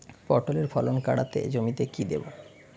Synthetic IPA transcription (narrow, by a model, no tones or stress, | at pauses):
pɔɾʈoleɾfʰɔlonka̰ɽat̪ḛd͡ʑomit̪ekid̪eba